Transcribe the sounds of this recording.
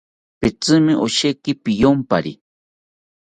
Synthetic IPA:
pɪt͡sɨmɪʔoʃekɪpijompaɾi

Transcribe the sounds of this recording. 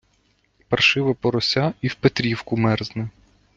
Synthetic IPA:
pɐrʃɪʋɐpɔɾɔsʲaiwpet̪ɾʲiwkʊmɛrznɛ

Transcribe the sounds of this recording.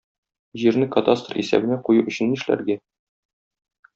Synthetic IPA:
ʑiɾnɘkɐt̪ast̪rḭsæ̰bɘ̆næqujuʔɵ̆ɕɘ̆nːiʃlæ̰ɾɡæ

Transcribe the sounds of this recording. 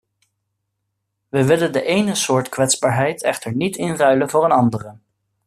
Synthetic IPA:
ʋəʋɪləndəʔejnəsʊːɹtkʋɛtzbaːɹɦɛjtʰɛχtəɹnitɪnrœɥlənvʊːɾənɑndərə

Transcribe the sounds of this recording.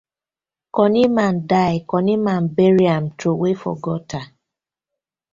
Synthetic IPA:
kɔnimandajɪkɔnimanbeɾiamtɾowefɔ̰ɡɔta

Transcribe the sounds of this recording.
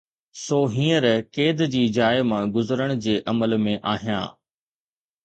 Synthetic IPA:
soːɦĩːəɾkeːd̪d͡ʑiːd͡ʑaːɪmãɡʊzəɾəɽ̃ʊd͡ʑeːʔɐməlmẽʔaːɦijã̰ː

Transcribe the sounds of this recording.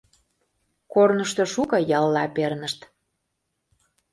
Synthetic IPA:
kornəʃt̪oʃukɤjɑlːɑpernəʃt̪

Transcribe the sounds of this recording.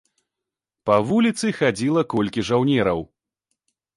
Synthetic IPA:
pɐvulʲit̪sɨxad͡zʲilˠɐkɔlʲkʲiʐawnʲɛɾɐw

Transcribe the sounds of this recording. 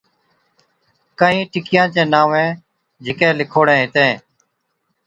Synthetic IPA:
kaĩːʈɪkɪjãːt͡ʃẽːnaːʋẽː | d͡ʒɪkeːlɪkʰoːɽẽːɦɪt̪ẽː

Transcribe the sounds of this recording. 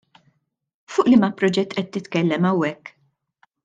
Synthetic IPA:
fʊːʔlɪmɐpɾɔd͡ʒɛt̪ːʔɛt̪ːɪt̪kɛlːɛmɐwːɛkː

